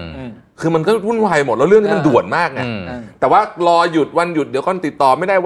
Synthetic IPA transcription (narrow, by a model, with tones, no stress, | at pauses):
kʰɯː˧ma˧nkɔː˥˩ɾu˥˩nwaː˧jmo˨˩t̪̚lːɾɯ˥˩ŋʰi˥ma˧ndu˨˩ət̪̚maː˥˩k̚na̰˧t̪ɛː˨˩waː˥˩lɔː˧ju˨˩t̪̚wa˧nju˨˩t̪̚d̪i˩˦wkɔː˥˧˩t̪i˨˩t̪ːɔː˨˩ma˥˩jdaː˥˩j